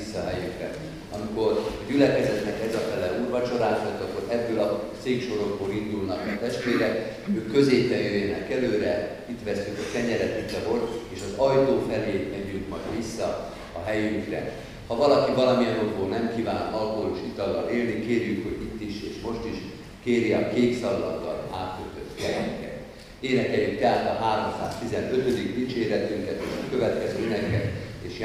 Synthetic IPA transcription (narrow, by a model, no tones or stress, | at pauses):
sːɒɦɛjyŋkrɛ | ɒmiko̞rɒɟylɛkɛzɛt̪nɛkɛzɒfɛlɛluːrʋɒt͡ʃo̞ɾaːʃot̪ːɒkːoɾɛb̪ːøːlɒseːkʃo̞ɾoɡboːɾind̪ulnɒkɒt̪ɛʃt̪ʋeːɾɛk | øːkːø̞zeːpːɛjøjɛnɛkɛløːɾɛ | it̪ʋɛsːykɒkɛɲɛɾɛt̪it̪ːɒɦo̞lt̪eːʃɒzɒjt̪oːfɛleːmɛɟyŋkmɒjd̪ʋisːɒ | ɒɦɛjyŋkrɛ̰ | hɒvɒlɒkivɒlɒmijɛnot̪boːnnɛmkiːvaːnɒlkoloːʃit̪ɒlːɒ̰leːlnikeːrjykho̞ɟit̪ːiʃeːʃmo̞ʃt̪iʃ | keːɾiɒkeːksɒlːɒɡ̪ːɒ̰la̰ːt̪ːølt̪øt̪ːkɛɛkɛ̰t̪ | eːnɛkɛljykt̪ɛɦaːt̪ɒɦaːɾo̞msa̰ːst̪izɛnø̞t̪ø̞d̪ikd̪it͡ʃeːɾɛt̪yŋkɛt̪eːʃɒkøvɛt̪kɛzøːenɛkɛt̪eːʃj